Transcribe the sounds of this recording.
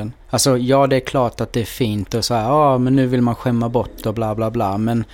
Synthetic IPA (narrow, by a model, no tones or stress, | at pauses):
ən | alsɔjɑːd̪ɛæɾkʰlɑːʈat̪̚d̪ɛæɾfiːnt̪ɔsahæːɾɑːmɛnːʉːvɪlmanɧɛmːabɔʈːɔblaːblaːblɑːmɛn